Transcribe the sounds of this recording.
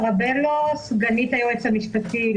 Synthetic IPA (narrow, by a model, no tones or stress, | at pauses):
ʁabelosɡanit̪ajoet͡samiʃpat̪i